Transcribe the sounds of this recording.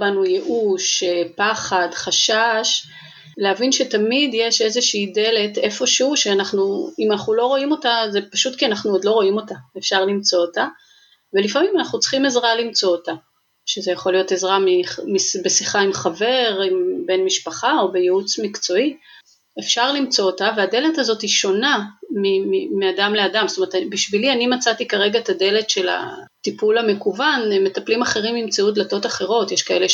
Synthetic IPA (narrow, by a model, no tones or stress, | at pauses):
banujeʔuʃpaχadχaʃaʃ | leavinʃe̞tamidje̞ʃe̞zeʃiːde̞le̞te̞fo̞ʃeuʃeanaχnuimanaχnulo̞ʁo̞imo̞taze̞paʃutkianaχnuodlo̞ʁo̞imo̞taefʃaʁlimt͡so̞ota | ve̞lifamimanaχnut͡sχimezʁalimt͡so̞ota | ʃezejaχo̞lijo̞te̞zʁamimisbe̞siχaimχave̞ʁimbe̞nmiʃpaχao̞be̞jeut͡smikt͡so̞i | efʃaʁlimt͡so̞otaveade̞le̞tazotiʃo̞namimimeadamleadamstomeetabiʃvilianimat͡satikaʁe̞ɡat̪ade̞le̞tʃe̞la̰ | tipulame̞kuvanme̞taplimaχeʁimimt͡siud̪lato̞taχe̞ʁo̞tjeʃkae̞le